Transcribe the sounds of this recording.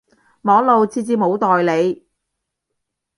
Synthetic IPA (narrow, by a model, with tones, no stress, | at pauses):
mɔː˨˥ŋlo˨˧wt͡sʰiː˧t͡siː˧mo˨˧wt̪ɔː˨jle˨˧j